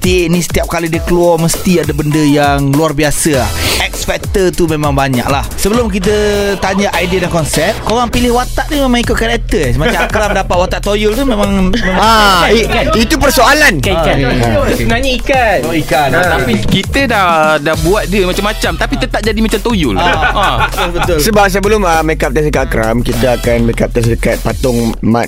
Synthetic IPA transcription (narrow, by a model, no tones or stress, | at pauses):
t̪iʔnĩsə̥t̪iap̚kalidiəkəluɔrməst̪iadabəndəjaŋluarbiasəlaʔɛk̚sfɛk̚t̪ət̪umemãŋbaɲa̰ʔlahsəbəlʊmk̬it̪̬ət̪aɲaʔajdiədankɔnsɛp̚koɣaŋpilɪhwat̪aʔnimẽmãŋikʊt̪̚kaɾɛk̚t̪əsmat͡ʃaakɾamdapat̪̚wat̪aʔt̪ojʊlt̪umẽmãŋmemaaikait̪upərsoalankaikasənaɲaikanikaaikit̪ədadahbuat̪̚diəmat͡ʃamːat͡ʃamt̪apit̪ət̪aʔ̚d͡ʒadimat͡ʃamt̪ojʊlabt̪lbət̪ʊlsəbap̚s̬əbəlʊməmekap̚t̪əsəkakɾa̰mkit̪aakanmekap̚t̪as̬əkat̪̚pat̪ɔŋma̰